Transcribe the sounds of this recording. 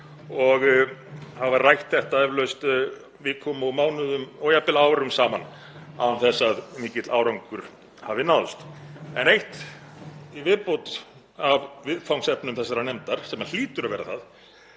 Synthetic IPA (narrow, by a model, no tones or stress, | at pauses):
ɔɣ | havarajht̪θɛht̪aɛvlœɥst̪ | vɪkʰɔmɔmaːwnʏðʏmɔjapɪlaːwɾʏmsaːman | a̰anθɛsːaðmiːcɪt̪laːwɾawŋkʏɾ̥ | havɪnawst̪ɛ̰nejht̪ | ivɪðpowt̪ | avvɪðfawŋsɛpnʏmθɛsːaɾanɛmt̪aɾ̥sɛmal̥iːt̪ʏɾavɛːɾaθað